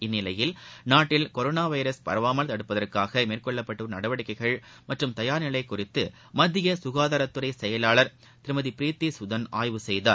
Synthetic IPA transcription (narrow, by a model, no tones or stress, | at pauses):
ɪnːɪlɐjɪlnaːʈːɪlkɔɾoːnaːʋɐjɾɐspɐ̰ɾɐʋaːmɐlt̪ɐɽɯpːɐðɐrkaːɣɐmeːrkɔɭːɐpːɐʈːɯnɐɽɐʋɐɽɪkːɐɪɣɐɭ | mɐʈrɯmt̪ɐjaːɾnɪlɐɪkʊrɪt̪ːɯ | mɐd̪ːɪjɐsʊɣaːðaːɾɐt̪ːɯɾɐɪsɛjɐlaːɭɐɾ | t̪ɪɾmɐðipɪɾiːt̪ːisʊðɐnaːjʋɯsɛjða̰ː